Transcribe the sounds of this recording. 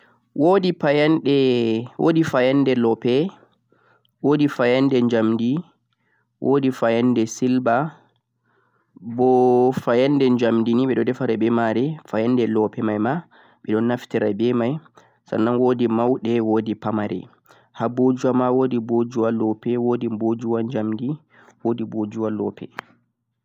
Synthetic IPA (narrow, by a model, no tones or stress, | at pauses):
wʔodipajanɗɛwʔo̰difajandɛlɔpɛ | wʔoːdifajandɛɲd͡ʒamdi | wʔoːdifajandɛsilba | bɔfajandɛɲd͡ʒamdiniɓɛɗɔdɛfaɾɛbɛmaɾɛfajandɛlɔpɛmajma | ɓɛɗɔnːaftiɾabɛmaj | sa̰nːanwodimawɗɛwoːdipamaɾɛ̰ | habod͡ʒuwamawoːdibod͡ʒuwalɔpɛwoːdimbod͡ʒuwaɲd͡ʒamdi | wodibod͡ʒuwalɔ̰pʰɛ